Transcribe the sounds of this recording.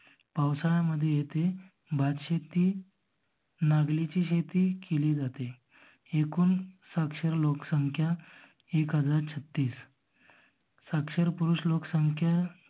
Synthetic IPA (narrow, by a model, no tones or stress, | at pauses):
pawsaɭ̃aməd̪ʱːjejet̪e | bʱad̪ɕet̪iː | naɡlit͡ɕiːɕet̪iːkʰeliːd͡zat̪e | ekuːnsakʂəɾloksəŋkʰja | ekɦəd͡zaɾt͡ɕʰət̪ːiːs | sakʂəɾpuɾuːɕloksəŋkʰja